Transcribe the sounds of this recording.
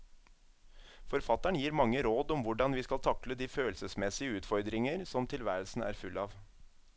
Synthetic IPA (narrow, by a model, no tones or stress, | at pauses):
fɔɾfɑt̪æɳjiːɾmɑŋːəɾoːd̪ɔmʋʊɖɑnʋiːskɑlt̪ʰɑkləd̪iːføːlsəsmɛsɪəʉːt̪fɔɾd̪ɾɪŋəɾsɔmt̪ʰɪlʋæːɾəlsn̩æ̰ːɾfʉlːɑːʋ